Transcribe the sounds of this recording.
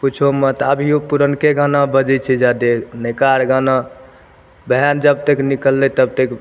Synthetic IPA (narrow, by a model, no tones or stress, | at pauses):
put͡ʃʰomet̪əbʱiopuɾənkeɡʱanabəd͡ʒɛt͡ʃʰɛd͡ʒad̪enekaɾɡana | bʱəjand͡ʒəb̚t̪eknikəlːɛt̪əb̚t̪ek